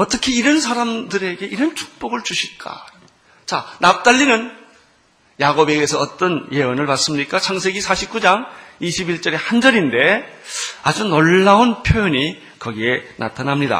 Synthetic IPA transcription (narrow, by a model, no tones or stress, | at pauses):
ʌt͈ʌkʰeiɾʌns̬ʰaɾamdɯɾe̞ɡe̞iɾʌnt͡ɕʰu̥k̚p͈oɡɯɭt͡ɕuɕʰiɭk͈a̰ | t͡ɕanap̚t͈aʎːinɯn | jaɡobe̞ɡe̞sʰʌʌt͈ʌnje̞ʌnɯɭpas͈ɯmɲik͈at͡ɕʰaŋsʰe̞ɡisʰaɕʰip̚k͈ud͡ʑaŋiɕʰibiɭt͡ɕ͈ʌɾe̞hand͡ʑʌɾinde̞ | ad͡ʑunoɭːaonpʰjojʌɲi | kʌɡie̞nʔa̰tʰanɦamɲida̰